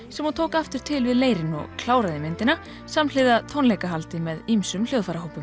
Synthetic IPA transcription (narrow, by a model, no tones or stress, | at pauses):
sɛmɔt̪ʰoːwkaft̪ɪɾ̥t̪ʰɪlvɪðleːjɾɪnɔ̰ɣkʰlaːwɾaðɪmɪnt̪ɪna | samnl̥ɪðat̪ʰownlejkaɦalt̪ɪmɛðimsʏmljowðfaɾaɦowpʏm